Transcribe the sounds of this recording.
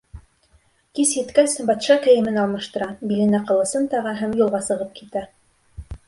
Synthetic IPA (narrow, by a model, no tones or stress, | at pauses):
kisjɘ̆t̪kæsbɑt̪ʃɑkɘ̆jɘ̆mɘnɑlˠmɤ̆ʃt̪ɤ̆ɾɑbilɘ̆næqɤ̆lˠɤ̆sɤnt̪ɑʁɑɦæmjulˠʁɑsɤ̆ʁɤp̚kit̪æ